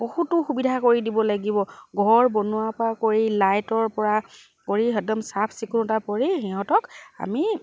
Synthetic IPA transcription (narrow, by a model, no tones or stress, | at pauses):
bohutʊxubidʱakoɹidibɔlaɡibɔɡʱɔɹbɔnʊapɔɹakoɹilajtɔɹpɔɹa | koɹiɦɛdɔmsapʰsikunɔtapɔɹixiɦɔ̃tɔka̰mi